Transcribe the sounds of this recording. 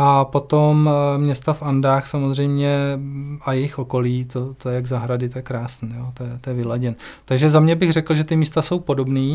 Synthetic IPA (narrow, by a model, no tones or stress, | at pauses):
ʔapo̞t̪o̞mmɲɛst̪afandaːxsamozr̝ɛjmɲɛʔajɛjɪxʔo̞ko̞liːt̪ot̪ojɛjaɡzaɦɾadɪt̪ojɛkɾaːsniːjot̪ojɛt̪ojɛvɪlaɟɛnt̪aɡʒɛzamɲɛbɪɣrɛkl̩ʒɛt̪ɪmiːst̪aso̞wpo̞do̞bniː